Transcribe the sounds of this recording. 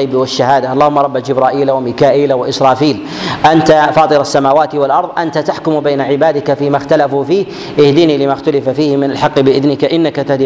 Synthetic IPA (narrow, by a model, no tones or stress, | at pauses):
bwaʃːahaːd̪aʔɑlːɑːhʊmːɑɾˤɑbːad͡ʒɪbɾˤɑːʔiːlawamiːkaːʔiːlawaʔɪsɾˤɑːfiːl | ʔant̪afɑːt̪ˤɨɾasːamaːwaːt̪ɪwalʔɑɾˤðˤʔant̪at̪aħkʊmbaːnaʕɪbaːd̪ɪkafiːmaxt̪alafufiːh | ʔɪhd̪iːniːlɪmaxt̪ʊlɪfafiːhɪmɪnalħɑqːbɪʔɪðnɪkaʔɪnːakat̪ahd̪i